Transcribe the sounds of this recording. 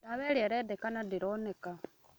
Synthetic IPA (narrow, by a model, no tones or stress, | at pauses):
daβeɾieɾedekanadiɾoneka